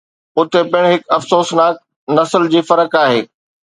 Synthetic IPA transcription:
ʊt̪epɪɽ̃ɦɪkɐfsoːsnaːk̚ | nɐsəld͡ʑiːfɐɾəkaːɦḛː

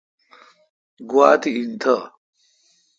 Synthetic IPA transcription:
ɡwaːt̪iint̪ʰɐ

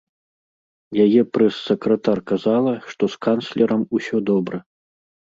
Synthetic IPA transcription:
jajɛpɾɐsːɐkɾɐt̪arkazalˠɐʂt̪ɔskanslʲɛɾɐmusʲɔd̪ɔbɾɐ

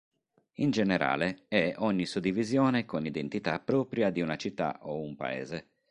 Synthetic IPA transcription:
ind͡ʒɛneɾʔa̰ːleɛɔɲːisud̪ːivizjɔːnekonid̪ent̪it̪apːɾɔːpɾjad̪iunat͡ʃit̪ːa̰ʔoumpa̰ɛ̰ːze

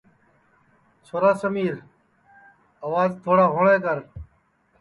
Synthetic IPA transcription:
soːɾaːsəmiːɾ | əʋaːzt̪ʰoːɽaːɦoːɳaːkəɾ

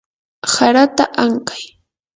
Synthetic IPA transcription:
saɾat̪aʔaɴkḁj

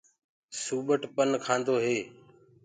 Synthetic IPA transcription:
suːɓəʈpənkʰãːnd̪oːɦeː

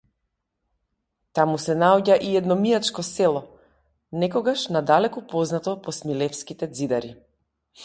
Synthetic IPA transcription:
t̪amusɛnaɔɟaʔiɛd̪nɔmiat͡ʃkɔsɛlˠɔ | nɛkɔɡaʃnad̪alɛkupɔznat̪ɔpɔsmilɛfskit̪ɛd̪zid̪aɾi

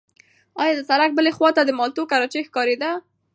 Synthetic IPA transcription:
ɑjɑd̪əsaɾak̚bəlexwɑt̪ad̪əmɑlt̪okaɾɑt͡ʃexkɑɾed̪a

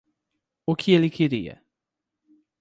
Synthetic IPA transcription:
ʊkʰɪelɪkʰeɾiɐ̰

